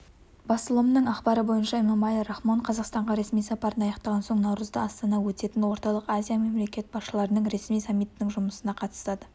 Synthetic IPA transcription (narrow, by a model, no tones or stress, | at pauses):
bɑsəlˠəmnəɴɑχbɑɾəbo̞jənʃɑemɑmɑlʲɾɑχmoɴqʰɑzɑqst̪ɑɴʁɑɾe̞smijsɑpɑɾənɑjɑqt̪ɑʁɑnso̞ɴnɑwɾəzd̪əɑst̪ɑnɑwɵt̪e̞t̪ɪnwo̞ɾt̪ɑlˠəqazʲijame̞mle̞kʲe̞t̪̚bɑsʃəlˠɑɾənəɴɾe̞smijsɑmʲːijt̪nɪŋʒʊməsənɑqʰɑt̪ə̥sɑd̪ə